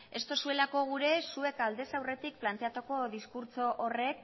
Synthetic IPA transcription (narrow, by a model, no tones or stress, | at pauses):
e̞st̪o̞sue̞lako̞ɣ̞uɾe̞sue̞kald̪e̞sawre̞t̪ik̚plant̪e̞at̪oko̞ðiskuɾt͡so̞ʔore̞k̚